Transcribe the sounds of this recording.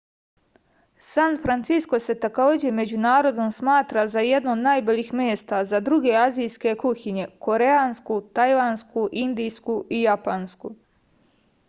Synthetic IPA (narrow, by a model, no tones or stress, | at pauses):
sanfɾant̪sisko̞se̞t̪akoːd͡ʑeme̞d͡ʑunaːɾo̞d̪omsmaːt̪ɾazajed̪noːd̪najbolixmʲjeːst̪azad̪ɾuɡe̞azijske̞kuçiɲe̞ko̞ɾe̞anskut̪ajʋanskuʔind̪ijskuijapansku